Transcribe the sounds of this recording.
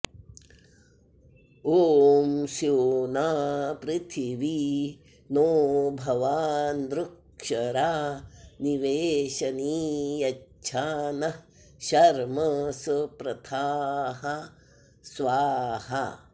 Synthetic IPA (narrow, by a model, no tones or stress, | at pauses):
oːmsjoːnaːpɾɪt̪ʰiʋi | noːbʱɐʋaːnd̪ɾuk | ʂɐɾaːniʋeːʃɐniːjɐ | ʃʰaːnɐ | ʃɐɾmɐspɾɐt̪ʰaːɦɐ | sʋaːɦɐ̰